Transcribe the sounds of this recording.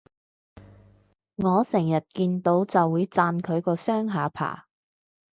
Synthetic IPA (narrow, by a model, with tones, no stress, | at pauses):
ŋɔː˨˧sɛː˨˩jɐ˨t̚kiː˧nt̪o˨˥wt͡sɐ˨wːuː˨˧jt͡saː˧nkʰɵ˨˧ɥkɔː˧sœː˥ŋɦaː˨˧˥pʰa̰ː˨˩